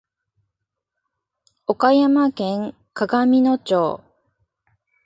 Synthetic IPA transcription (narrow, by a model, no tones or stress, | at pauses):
okajamakẽ̞ŋ | kaɡamʲino̞t͡ɕoː